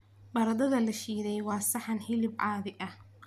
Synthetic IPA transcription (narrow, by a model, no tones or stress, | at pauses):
bɐɾɐðɐðɐlɐʃiːðɛjwɑːsɑħɑnhɪlɪbʕɑːðɪʔɐh